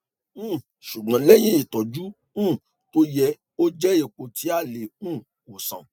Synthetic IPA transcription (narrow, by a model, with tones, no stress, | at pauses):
ũ˦˨ | ʃu˨ɡ͡bã˨˧lɛ˦j̃ĩ˦i˦˨tɔ˨d͡ʒu˦ | ũ˦˨ | to˦jɛ˧ | o˦d͡ʒɛ˦e˨k͡po˧tʰi˨˦a˦˨le˨ũ˦˨ | o˨sã̰˨